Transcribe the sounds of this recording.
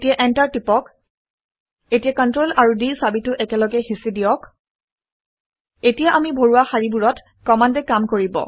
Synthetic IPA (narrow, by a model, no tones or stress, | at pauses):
tijaʔɛntaɹtipɔk | etijakɔntɹolaɹudisabitʊʔɛkɛlɔɡɛxisidijɔk | etijaʔamibʱoɹuwaxaɹibuɹɔt | kɔmandɛkamkoɹibɔ̰